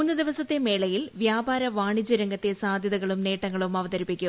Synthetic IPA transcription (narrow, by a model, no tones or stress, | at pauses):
unːɨd̪iʋɐsɐt̪ːe̞me̞ːɭɐjilʋjaːbaːɾɐʋaːɳit͡ɕːuɾɐŋɡɐt̪ːe̞saːd̪ʱjɐðɐɣɐɭumne̞ːʈːɐŋːɐɭumɐʋɐd̪ɐɾipːikʲːu